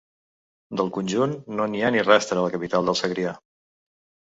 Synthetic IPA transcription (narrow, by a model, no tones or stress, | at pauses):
d̪əlˠkunʲʒunːonianirɛst̪ɾələkəpit̪alˠd̪əlˠsəɣɾia